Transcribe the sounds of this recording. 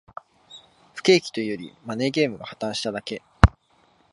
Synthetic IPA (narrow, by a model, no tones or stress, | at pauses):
ɸɯ̥ke̞ːkʲi̥t̪o̞ijo̞ɾʲḭmane̞ːɡe̞ːmɯ̟ɡahat̪ãɰ̃ɕi̥t̪ad̪ake̞